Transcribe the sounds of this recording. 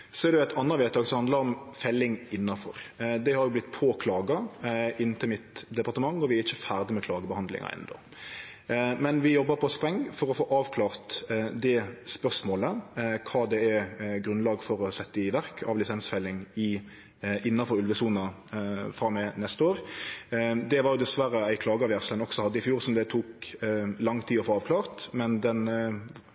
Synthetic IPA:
sɔɛɾd̪ɛʊæɪt̪ʰɑnːɑʋɛt̪ɑːɡsɔhɑnd̪lɑɾɔmfɛlːɪŋɪnːɑfɔ̰ɾd̪ɛhɑɾjʊblɪt̪ːpʰoːkʰlɑːɡɑɪnːt̪ʰəlmɪt̪d̪ɛpɑʁt̪əmɑŋːɔʋɪæɛɾɪçːəfæːʁd̪əmɛkʰlɑːɡəbəhɑnd̪lɪ̰ŋɑ̰ʔɛ̰nːd̪o̰ | mɛnʋɪjɔbːəɾpʰɔspɾɛŋːfɔɾɔfoːʔɑːʋkʰlɑːʁt̪d̪ɛspœʁʂmoːləkʰɑːd̪ɛæɡɾʉnlɑːɡfɔɾɔsɛt̪ːəɪʋæʁkʰɑ̰ʋlɪsɛnsfɛlːɪŋɪ | ɪnːɑfɔɾʉlʋəsuːnɑ | fɾɑmːɛnɛst̪əoːɾ | d̪ɛʋɑɾjʊd̪ɛsʋæɾəæɪkʰlɑːɡəɑʋjæʁslənɔksɔhɑd̪ːəɪfjuːɾsɔmd̪ɛt̪ʰuːklɑŋːt̪ʰiːɔfoːɑːʋkʰlɑːʁt̪mɛnd̪ɛn

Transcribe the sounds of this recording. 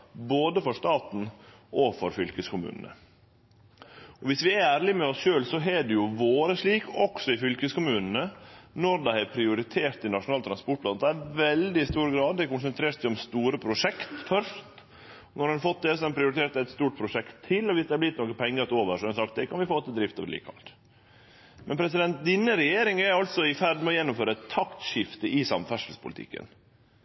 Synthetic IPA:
boːd̪əfɔʂt̪ɑːt̪n̩ | ʔɔfɔɾfʏlkəskʊmʉ̰ːnə̰nə̰ | ɔʋɪsʋɪææːɾlɪmɛɔsʃøːlsɔɦɛɖɛjʊʋoːɾəʂɭiːkɔksɔɪfʏlkəskʊmʉːnən̩ənɔɾd̪æɪæɾpʰɾɪʊɾɪt̪ʰeːɾt̪ɪnɑʂʊnɑːlt̪ɾɑnspɔʈ̚plɑnd̪æʋɛld̪ɪst̪uːɾəɡɾɑːd̪̚d̪ɛkʊnsənt̪ʰɾeːʈsæɪɔmst̪uːɾəpʰɾʊʂɛkt̪fœʂt̪ | nɔɾhʉnɑfɔt̪̚d̪ɛs̬ɔmɛpʰɾɪʊɾɪt̪ʰeːʈt̪ɛt̪st̪uːʈ̚pʰɾʊʂɛkt̪ʰːɪlːɔʋɪsd̪ɛæblɪt̪ːnoːkəpʰɛŋːəɾt̪oːʋəɾʂɔɛnsɑkt̪̚d̪ɛkʰɑnʋɪfoːt̪əd̪ɾɪft̪ɑ̰ʋlḭːkɑ̰lt̪ | mɛ̰npʰɾɛsɪd̪ɛnt̪̚d̪ɪnːəɾɛjeːɾɪŋæɾɑlt̪sɔɪfæɾɖmɛɔjɛnːʊmføːɾəɛt̪ʰːɑkt̪ʂɪft̪əʔɪsɑmfæʂəlspʰʊlɪt̪ʰɪ̰kːə̰n

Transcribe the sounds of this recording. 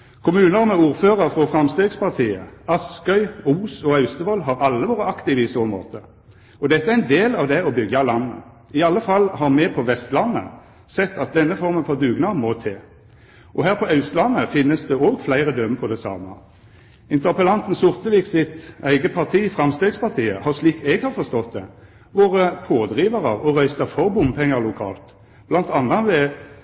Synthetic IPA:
kʰʊmʉːnəʁmɛuːʁføːʁəʁfʁɔfʁɑmst̪eːɡspɑʁt̪ʰiːə̰ɑskœʏuːsɔɑʉst̪əʋɔlɦɑʁɑlːəʋoːʁəɑkt̪ɪʋɪsoːmo̰ːt̪ə | ɔd̪ɛt̪ːəææɪnd̪eːlɑʋd̪ɛɔbʏɡɑlɑnːə̰ | ɪɑlːəfɑlːhɑʁmɛpʰɔʋɛst̪lɑnːə̰ | sɛt̪ːɑt̪̚d̪ɛnːəfɔʁmənfɔʁd̪ʉːɡnɑmɔt̪ʰeː | ʔɔɦæːʁpʰɔɑʉst̪lɑnːəfɪnːəsd̪ɛoːɡflæɪʁəd̪œmpʰɔd̪ɛsɑ̰ːmə | ɪnt̪əʁpəlɑnt̪n̩sʊʁt̪əʋɪksɪt̪æɪɡəpʰɑʁt̪ʰiːfʁɑmst̪eːɡspɑʁt̪ʰiːəhɑʁsliːkt̪ɛɡhɑːʁfɔʁst̪ɔt̪̚d̪ɛ | ʋoːʁəpʰoːd̪ʁiːʋəʁəʁɔʁœʏst̪əfɔʁbʊmpʰɛŋːəʁlʊkʰɑ̰ːlt̪ | b̥lɑnt̪ɑnːɑʋɛ

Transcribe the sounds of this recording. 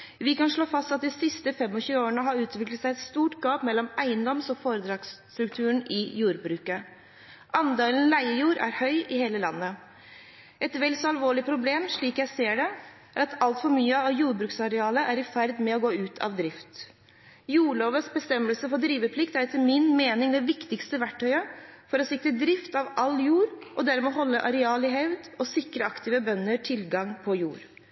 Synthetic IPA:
ʋɪkɑnʂɭoːfɑst̪ɑt̪̚d̪ɪsɪst̪əfɛmɔçʉːəoːəɳəɦɑɾʉːt̪ʋɪklət̪sæɪɛt̪st̪uːʈɡɑːpmɛlːɔmæɪənd̪ɔmsɔfoːɾəd̪ɾɑːɡst̪ɾʉkt̪ʰʉːəɳʔɪjuːɾbɾʉːkə | ʔɑnd̪eːlənlæɪəjuːɾʔæ̰ɾhœʏʔɪheːləlɑ̰nːə | ʔɛt̪ʋɛlsɔɑlʋoːɭɪpʰɾʊbleːmʂɭiːkjæɪseːɖɛ | ʔæɾɑt̪ʰɑlt̪fɔɾmyːəɑʋjuːɾbɾʉːksɑɾɛɑːləʔæɾɪfæɾd̪mɛɔɡoːʉːt̪ʰɑ̰ʋd̪ɾɪft̪ | juːɭoːʋəsbəst̪ɛməlsəfɔd̪ɾiːʋəpʰlɪkt̪æɾɛt̪ʰːəmɪnmeːnɪŋd̪ɛʋɪkt̪ɪkst̪əʋæʈʰːœʏəfɔɾɔsɪkɾəd̪ɾɪft̪ɑʋɑljuːɾʔɔd̪æɾmɛɦɔlːəʔɑɾɛɑːlɪɦœʋd̪ɔsɪkɾəɑkt̪ɪːʋəbœnːəɾʈʰɪlɡɑŋpʰɔjṵːɾ

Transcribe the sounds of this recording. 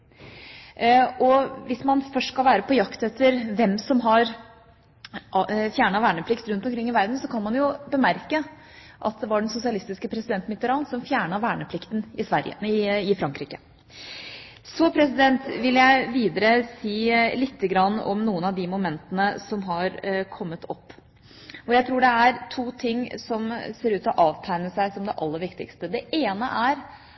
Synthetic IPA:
ɔʋɪsmɑnfœʂskɑlʋæːɾəpɔjɑkt̪ɛt̪ʰːəɾʋɛmsɔmɦɑɾ | fjæːɳɑʋæːɳəpʰlɪkt̪ɾʉnt̪ɔmkʰɾɪŋːɪʋæɾd̪n̩sɔkʰɑnmɑnjʊbəmæɾkə | ʔɑ̰t̪̚d̪ɛʋɑɖɛnsʊsɪɑlɪst̪ɪskəpʰɾɛsɪd̪ɛnt̪mɪt̪ːəɾɑːnsɔmfjæːɳɑʋæːɳəpʰlɪkt̪nɪsʋæɾjə̰ɪɪfɾɑŋkɾiːkə̥ | sɔpʰɾɛsɪd̪ɛnt̪ʋɪljæɪʋiːd̪əɾəsiːlɪt̪ʰːəɡɾɑnːɔ̰mnuːənɑʋd̪ɪmʊmɛnt̪ənəsɔmɦɑɾkʰɔmːət̪ʰɔ̰pː | ɔjæɪt̪ʰɾuːɖɛæɾt̪ʰuːt̪ʰɪŋːsɔmseːɾʉːt̪ɔʔɑːʋt̪ʰæɪnəsæɪsɔmd̪ɛʔɑlːəɾʋɪkt̪ɪ̰kst̪əd̪ɛʔeːnə̰ʔæɾ

